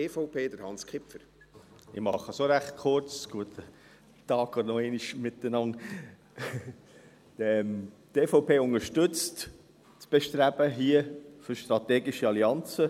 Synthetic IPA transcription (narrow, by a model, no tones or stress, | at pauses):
eːfɔʊpʰeːd̪əɾhɑnskʰɪpfəɾ | ɪ̰mɑχəsoɾæχt̪̚kʰʊɾt͡sɡ̥uət̪ʰə | t̪ɑːɡɔd̪ənɔeːniʃmɪt̪ːənɑn | ɛm | t̪eːfoʊpeːʊŋəɾʃtʏt͡st | t͡sb̥eʃtɾæb̥əɦiəføɾʃtɾɑt̪eːɡɪʃiɑliɑnt͡sə